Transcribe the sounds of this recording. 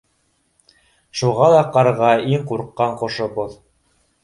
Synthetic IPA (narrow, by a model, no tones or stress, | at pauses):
ʃuʁɑlˠɑqɑɾʁɑiŋquɾqːɑɴqŏʃŏboð